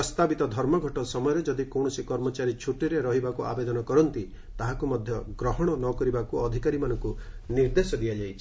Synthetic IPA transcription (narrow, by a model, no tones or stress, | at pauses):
ɔst̪abit̪ɔd̪ʱɔɾmɔɡʱɔʈɔsɔmɔjɔɾed͡ʒɔd̪ikɔw̃ɔsikɔɾmɔt͡ʃaɾit͡ʃʰuʈiɾeɾɔɦibakuʔa̰bed̪ɔnɔkɔɾɔnt̪i | t̪aɦakumɔd̪ʱjɔɡɾɔɦɔɽ̃ɔnɔkɔɾibakuɔd̪ʱikaɾimanɔŋkuniɾd̪esɔd̪ijad͡ʒajt͡ʃʰi